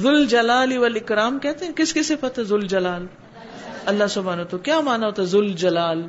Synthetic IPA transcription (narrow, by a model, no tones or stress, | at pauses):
zʊld͡ʒɐlaːliʋɐlɪkɾaːmkɛɦt̪eɛ̃kɪskɪsepɐt̪ɛzʊld͡ʒɐlaːl | ɐlːasʊbʱaːnɐt̪ukjaːmaːnaɦoːt̪aɛzʊld͡ʒɐlaːl